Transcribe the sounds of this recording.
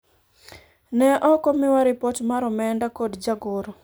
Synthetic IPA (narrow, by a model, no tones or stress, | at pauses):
nɛʔɔkɔmɪwaɾɪpotmaɾɔmɛndakodd͡ʒaɡoɾɔ